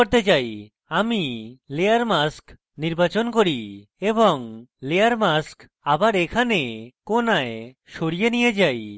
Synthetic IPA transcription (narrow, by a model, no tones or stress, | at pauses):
ɔɾt̪ed͡ʒaj | amilejaɾmask | niɾbat͡ʃonkoɽi | ebɔŋlejaɾmask | abaɾekʰanekonaj | ʃoɽijenijed͡ʒaj